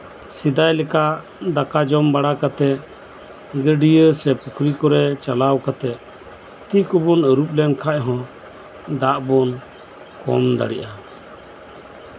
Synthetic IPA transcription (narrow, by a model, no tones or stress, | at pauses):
sid̪ajlɛka | d̪akad͡ʒɔmbaɽakat̪ɛʔ | ɡəɖijəsɛpukʰɾikɔɾɛt͡ʃalawkat̪ɛ | t̪ikɔbɔnəɾup̚lɛnkʰaʔɦɔ̃ | d̪aʔbɔn | kɔ̰md̪a̰ɽiʔa